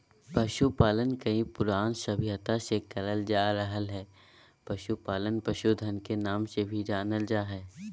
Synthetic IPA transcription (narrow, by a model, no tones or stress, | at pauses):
pɐʃupaːlənkɐĩpʊɾaːnʃɐbʱɪɦət̪ãsekɐləld͡ʒaːɾəɦəlɦɛː | pɐʃupaːlənpɐʃud̪ʱənkenaːmsebʱid͡ʒaːnəld͡ʒaːɦɛː